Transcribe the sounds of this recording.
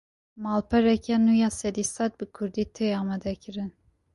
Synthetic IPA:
malˠpʰɛɾɛkʰɛnujasɛd̪isat̪̚bikʰuɾd̪it̪ʰɛjaːmɛd̪ɛkʰiɾin

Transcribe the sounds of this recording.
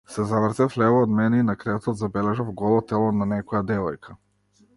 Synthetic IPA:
sɛzavɾzɛflɛvɔːd̪mɛnɛinakɾɛt̪ɔt̪zabɛlɛʒavɡɔlˠɔt̪ɛlˠɔnanɛkɔjad̪ɛvɔjkʰa

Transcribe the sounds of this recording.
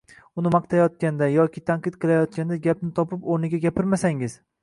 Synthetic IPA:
ʊnɪmɑq̚t̪ʰajɒt̪̚kʲand̪ajɒkʲɪt̪ʰanqɨt̪qʰɨlˠajɒt̪̚kʲand̪aɡʲapnɪt̪ʰɒpɪpoɾnɪɡʲaɡʲapʰɪɾmasaŋɪz̥

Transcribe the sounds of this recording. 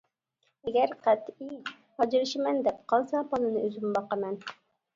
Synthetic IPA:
ɛɡʲæɾqʰæt̪i | hɑd͡ʒɪɾɨʃɪmɛnd̪ɛpqʰɑlˠsɑpɑnɨnɨøzymbɑqɑmɛn

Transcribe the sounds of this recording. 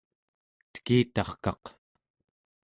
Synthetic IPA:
t̪ə̥kiːt̪ɑχkɑ̰q

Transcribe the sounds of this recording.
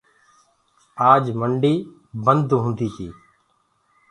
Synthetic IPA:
aːd͡ʒməɳɖiː | bənd̪ɦũnd̪iːkiː

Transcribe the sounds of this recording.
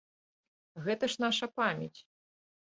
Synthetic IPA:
ɣɛt̪ɐʂn̪aʂɐpamʲɛt͡sʲ

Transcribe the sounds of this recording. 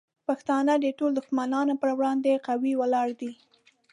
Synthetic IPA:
paxt̪ɑnəd̪əʈold̪ʊxmanɑnopəɾwɽɑnd̪eqawiwəlɑɾd̪i

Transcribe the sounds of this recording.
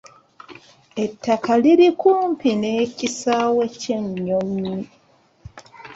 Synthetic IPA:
e̞tːakaliɾikuːmpine̞ːcisawe̞ce̞ɲːo̞mːi

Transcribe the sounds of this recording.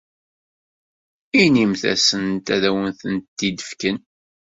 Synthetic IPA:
inimθæ̰sənt̪æðæwənθənt̪ːid̪əfkən

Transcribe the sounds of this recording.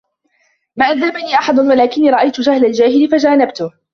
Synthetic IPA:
maːʔaðːabaniːʔɑħɑd̪ˤʊnwalaːkɪnːiːɾˤɑʔajt̪ʊd͡ʒahlald͡ʒaːhɪlɪfad͡ʒaːnabt̪ʊ

